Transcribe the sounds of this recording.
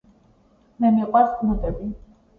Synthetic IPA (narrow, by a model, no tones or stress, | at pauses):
mɛmiqʼwasɡnut̪ʼɛbi